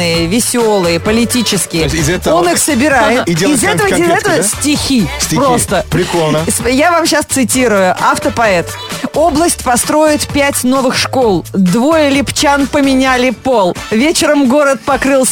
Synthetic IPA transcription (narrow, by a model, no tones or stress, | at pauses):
ɨjəvʲɪsʲo̞lˠɨjəpəlʲɪtʲit͡ɕɪskʲɪjəɪzɛt̪əonɨxsəbʲɪɾajɪt̪ɪelɪzɛəvəɪzɛt̪əvəsʲtʲɪxʲistʲpɾost̪əpɾʲɪkolʲnəsjavamɕast̪sɨtʲiɾʊjʊʔɐft̪əpɐɛt̪ | o̞blˠəsʲtʲpɐst̪ɾo̞jɪt̪pʲætʲno̞vɨxʂko̞lˠd̪vo̞jəlʲɪpt͡ɕanpəmʲɪnʲælʲɪpo̞lˠvʲet͡ɕɪɾəmɡo̞ɾət̪̚pɐkɾɨlˠs